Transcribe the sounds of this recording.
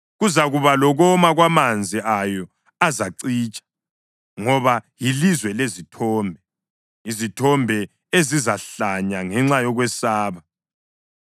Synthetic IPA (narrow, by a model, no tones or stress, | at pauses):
ɣuzaɣuβalɔɣɔmaɣwamand͡zʱiajɔ | azaǀiːt͡ʃʼḁ | ŋɔβajilizwɛlezitʰɔːmbʱɛ | izitʰɔmbʱɛ | ezizaɬaɲaŋɛŋ͡ǁajɔɣwɛsaːβa